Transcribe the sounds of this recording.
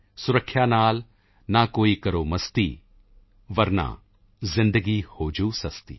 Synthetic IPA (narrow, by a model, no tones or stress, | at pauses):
sʊɾəkʰːjaːnaːl | nakoːikɐɾoːmɐst̪iː | ʋɐɾna̰ː | zɪ̃nd̪əɡiːhoːd͡ʒuːsɐst̪ḭː